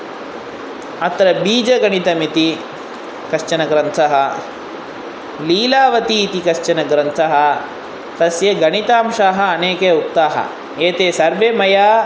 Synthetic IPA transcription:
ɐt̪ɾɐbiːd͡ʒɐɡɐɳit̪ɐmit̪i | kɐʃt͡ʃɐnɐɡɾɐnt̪ʰɐɦɐ | liːlaːʋɐt̪iːt̪ikɐʃt͡ʃɐnɐɡɾɐnt̪ʰɐɦɐ̆ | t̪ɐsjɐɡɐɳit̪aːmʂaːɦɐ̆ːneːkeukt̪aːɦɐ̰ | eːt̪eːsɐɾʋemɐjaː

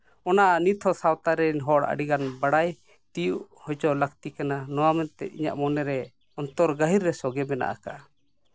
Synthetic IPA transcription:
ɔnaʔanit̪ʰɔsawt̪aɾɛɲɦɔɽa̰ɽiɡanbaɽaj | t̪ijuʔ | hɔd͡ʒɔləkt̪ikananɔwamɛnt̪ɛ̰t̪̚ḭɲa̰ʔmɔnɛɾɛ | ɔnt̪ɔɾɡaɦiɾːɛsɔɡɛmɛna̰ʔa̰ka

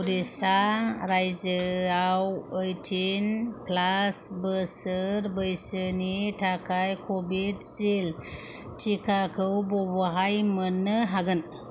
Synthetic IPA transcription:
ɾisaɾajzəawəjtʰinpʰlasbəsəɾbəjsənitʰakʰajkʰobidsel | tʰikʰakʰɯwbɔbəɦajmənːɯɦaɡɯn

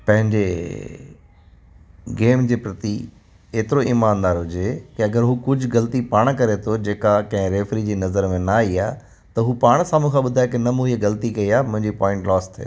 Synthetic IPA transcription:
pɐ̃ɦɪ̃ɲd͡ʑe | ɡeːmd͡ʑeːpɾɐt̪i | eːt̪ɪɾoiːmaːnd̪aːɾɦʊd͡ʑekɪɐɡəɾɦuːkʊd͡ʑʱɡɐlt̪ipaːɽ̃kɐɾet̪ʰod͡ʑeːkakɐ̃ɦɪ̃ɾeːfɾid͡ʑiːnɐzəɾmẽnɐaːiaː | t̪ɐɦuːpaːɽ̃saːmũkʰãɓʊd̪ʱaːjekɪnɐmũieɡɐlt̪ikɐiaːmʊ̃ɦɪ̃ɲd͡ʑipɔ̃ːɪ̃ɳʈlɔːst̪ʰḛː

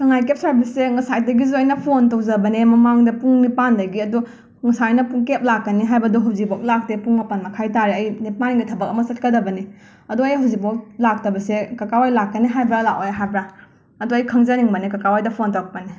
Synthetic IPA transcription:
kɐŋajkep̚sajbɐseŋɐsajt̚dɐɡizuɐjnɐpʰontowd͡ʒɐbɐnemɐmaŋdɐpuŋnipandɐɡiɐdu | ŋsajnɐpuŋkep̚lakːɐniɦajbɐdɔɦawzik̚bok̚lak̚tepuŋmɐpɐnmɐkʰajtaɾeɐjnipanŋɡitʰɐbɐk̚ɐmɐsɐt̚kɐdɐbɐni | ɐduɐjɦawzikbok̚lak̚tɐbɐsekɐkawajlakːɐniɦajbɾalakojɦajbɾa | ɐduɐjkʰɐŋzɐniŋbɐnikɐkawajdɐpʰontok̚pɐni

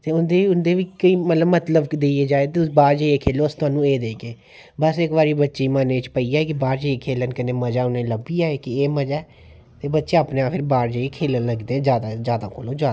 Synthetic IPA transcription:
t̪eːʊnd̪eːʊnd̪eːʋiːkəiːmət̪ləbmət̪ləbkd̪eeːd͡ʒaːeːt̪ebaːɾd͡ʒaieːkʰeːloːəst̪ʊaːnũːeːd̪eːkeː | bəsɪkʋaːɾiːbətːʃeːmaːnet͡ʃpəiːaːɛkɪbaːɾd͡ʒəeːkʰeːlənkəneːməd͡ʒaːʊnẽːləbiːaːeːkɪeːməd͡ʒaː | t̪eːbətːʃeːaːpneːaːpʰɪɾbaːɾd͡ʒaːieːkʰeːlənləɡd̪eːɛ̃d͡ʒjaːd̪ad͡ʒjaːd̪ã̰ːko̰ːlõːd͡ʒjaːd̪

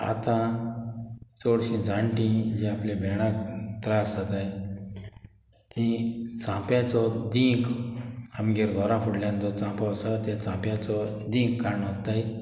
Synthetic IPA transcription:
a̰t̪ã | t͡soɽɕĩd͡zʱãɳʈĩd͡ʑĩaplebʱɛɽ̃ãt̪ɾaəsat̪aj | t̪ĩt͡sãpjãt͡sɔd̪ĩk | amɡeɾɡʱɔɾãfuɽljãnd͡z̪ɔt͡sãpɔsat̪ɛt͡sãpjãt͡sɔ | d̪ĩkkaɳɔt̪ːai

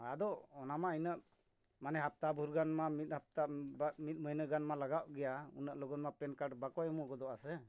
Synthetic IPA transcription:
ad̪ɔɔnamainəʔ | manɛɦap̚t̪abʱuɾɡanmamit̪̚ˀhap̚t̪abmit̪̚məjnəɡanmalaɡaʔɡɛjaṵnəʔlɔɡɔt̪̚mapɛnkaʈbakɔjmɔɡɔd̪ɔʔasɛ

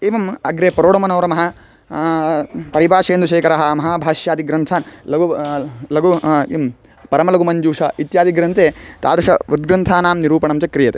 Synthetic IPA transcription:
eːʋɐmɐɡɾeːpɾoːɽɐmɐnɐːɾɐmɐɦɐ | pɐɾibaːʃeːnd̪uʃeːkɐɾaɦɐmɐɦaːbʱaːʃjaːd̪iɡɾɐnt̪ʰaːnlɐɡulɐɡuim | pɐɾɐmɐlɐɡumɐnd͡ʒuːʂɐit̪jaːd̪iɡɾɐnt̪eːt̪a̰ːd̪ɐʂɐʋud̪̚ɡɾɐnt̪ʰaːnaːmniɾuːpɐɳɐmt͡ʃɐkɾijɐt̪e

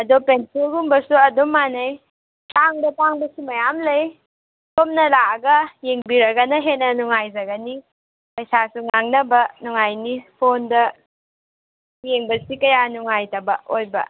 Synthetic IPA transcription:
ɐdɔpenselɡumbɐsuɐdumːanɐj | taŋdɐpaŋbɐsumɐjamlɐj | tomnɐlaɐɡɐjeŋbiɾɐɡɐnɐɦenɐnuŋajzɐɡɐni | pɐjsasuŋaŋnɐbɐnuŋajnipʰondɐ | jeŋbɐsikɐjanuŋajtɐbɐ̰ojbɐ̰

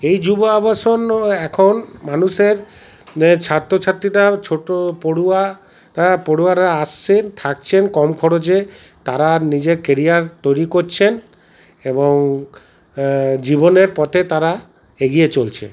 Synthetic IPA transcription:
ejd͡ʒuboabasonɛkʰonmanuʃeɾ | t͡ɕʰat̪ɾot͡ʃʰat̪ɾiʈat͡ʃʰoʈopoɽua | ʈapoɽuaɾaast͡ʃʰent̪ʰak̚t͡ɕʰenkɔmkʰɔɽod͡ʑet̪aɾanid͡ʑeɾkeɾijaɾt̪ojɾikoɾt͡ɕʰen | eboŋ | d͡ʑiboneɾpɔt̪ʰet̪aɾa | eɡijet͡ɕolt͡ɕʰḛ

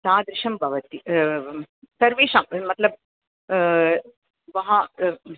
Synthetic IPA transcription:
t̪aːd̪ɾɪʂɐmbʱɐʋɐt̪i | sɐɾʋiːʂɐmmɐt̪lɐb̚ | ʋɐɦɐ

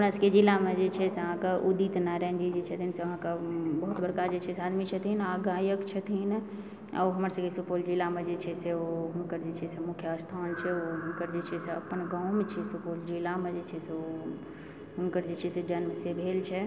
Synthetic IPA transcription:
ɦmɾəsked͡ʒilamed͡ʒet͡ʃʰɛseəɦãkeʔuɖit̪naɾɛɦnd͡ʒid͡ʒet͡ʃʰət̪ʰinseəɦãkabəɦut̪bəɾkad͡ʒet͡ʃʰɛsead̪mit͡ʃʰət̪ʰinaɡaːjəkt͡ʃʰət̪ʰin | a̰oɦəməɾsə̃kesupold͡ʒilamed͡ʒet͡ʃʰɛseoɦunkəɾd͡ʒet͡ʃʰɛsemʊkʰjəast̪ʰaːnt͡ʃʰɛoɦunkəɾd͡ʒet͡ʃʰɛseə̰pənɡaʊ̃met͡ʃʰɛsupold͡ʒilamed͡ʒet͡ʃʰɛseo | ɦʊnkəɾd͡ʒet͡ʃʰɛsed͡ʒənmesebʱelt͡ʃʰɛ

